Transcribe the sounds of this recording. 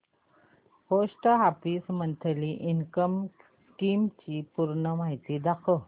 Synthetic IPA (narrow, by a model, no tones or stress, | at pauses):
hosʈəɦapismənt̪ʰliːʔinkəm | kimt͡ɕiːpuɾɳəmaɦit̪iːd̪akʰə